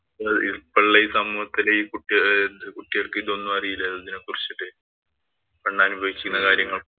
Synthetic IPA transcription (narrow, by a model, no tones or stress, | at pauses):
ɐipːɐɭːɐisɐmuːhɐt̪ːileiːkuʈːidekuʈːiɣɐɭkɨiðo̞nːumɐrijilːɐðɐðinɨkurit͡ɕːiʈːɨ | kɐɳɖaːnubʱɐʋikʲːi̥kːunːɐkaːɾjɐŋːɐɭ